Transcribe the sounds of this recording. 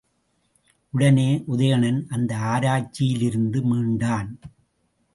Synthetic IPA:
ʔʊɽɐneːʔʊðɐjɐɳɐnʔɐnd̪ɐaːɾaːt͡ʃːɪjɪlɪɾɯnd̪ɯmiːɳɖaːn

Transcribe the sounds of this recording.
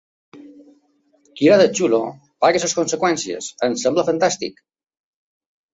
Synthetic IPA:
kiɾaðət͡ʃulo | paɣəsəskonsəkwɛnsiə̰sənsɛmbləfənt̪ast̪ḭk

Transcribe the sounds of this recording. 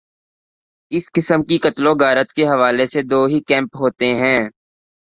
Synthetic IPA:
ɪskɪsəmkikɐt̪lõɡaːɾət̪keɦɐʋaːlesed̪oːɦikɛ̃ːmpɦoːt̪eɦɛ̃ː

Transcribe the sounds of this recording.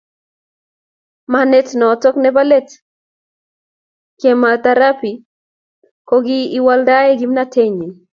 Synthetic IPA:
manetnɔtɔknɛbalet | kemat̪aɾapi | kɔɡiːwaldaɛɡimnatʰeɲi

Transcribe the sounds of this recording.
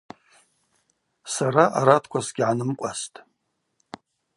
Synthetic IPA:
saɾaʔaɾatʰkʷʰasɡʲʕanɨmkʷʼastʼ

